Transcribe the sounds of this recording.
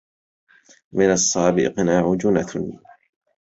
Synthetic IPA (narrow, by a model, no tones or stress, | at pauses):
mɪnɑsˤːɑːbɪ̰qnaːʕʊd͡ʒʊnat̪ʰʊn